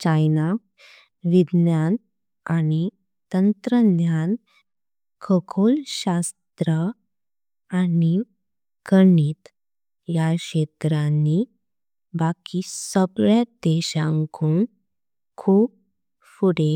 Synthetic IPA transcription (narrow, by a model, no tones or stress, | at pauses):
t͡ɕajna | ʋid̪njan | ani | t̪ənt̪ɾənjan | kʰəkʰolɕast̪ɾə | ani | kəɳiːt̪ | jaɕet̪ɾanːi | bakisəbɭjad̪eɕãŋkʰuːn | kʰuːb̚ | fuɽe